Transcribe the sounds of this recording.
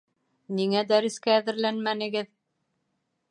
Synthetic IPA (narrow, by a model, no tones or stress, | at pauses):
niŋæd̪æɾɘ̆skæːðɘ̆ɾlænmænɘ̆ɡɘð